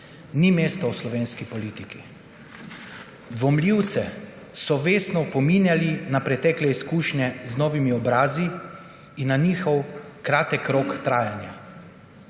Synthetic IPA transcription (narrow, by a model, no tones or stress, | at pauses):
nimeːst̪ɔwslɔʋeːnskipɔliːt̪iki | d̪ʋɔmliwt̪sɛ | sɔʋeːst̪nɔpɔmiːnjalinapɾɛt̪ɛːklɛiskuːʃnʲɛznɔːʋimiɔbɾaːziː | nːaniːxɔwkɾaːt̪ɛkɾokt̪ɾaːjanja̰